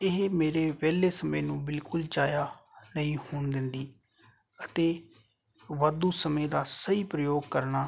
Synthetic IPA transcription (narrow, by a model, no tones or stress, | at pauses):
ɪɦmeːɾeːʋɛːlːeːsəmẽːnũːbɪlkʊlt͡ʃaːjaːnəĩːhʊːɳd̪ɪnd̪iː | ət̪eː | ʋad̪uːsəmẽːd̪aːsəiːpɾəjoːɡ̚kəɾnaː